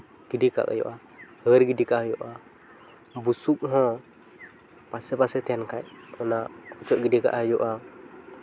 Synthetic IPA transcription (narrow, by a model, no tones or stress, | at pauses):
ɡ̥idika̰ka̰jɔ̰ʔa | həɾɡidikaʔhjuʔa | busuk̚ɦɔ̃ | pasɛpasɛt̪ɛnkajɔnaʔɔt͡ʃɔʔɡidika̰ʔhajuʔa